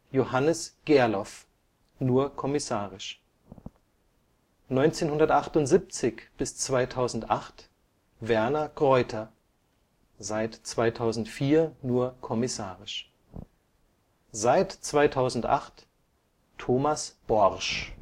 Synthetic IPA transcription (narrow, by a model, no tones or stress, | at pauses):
johanəsɡ̥ɛɐlɔf | nuːɐkʰɔmɪsaːʁɪʃ | nɔʏnt͡seːnhʊndɐtʔaχtʊntz̥ip̚t͡sɪçb̥ɪst͡sv̥aɪtʰaʊzn̩tʔaχt | vɛɐnaɡ̥ʁɔʏtʰɐ | zaɪtt͡sv̥aɪtʰaʊzn̩tfiːɐnuːɐkʰɔmɪsaːʁɪʃ | zaɪtt͡sv̥aɪtʰaʊzn̩tʔa̰χt | tʰːoːmasb̥ɔʁʃ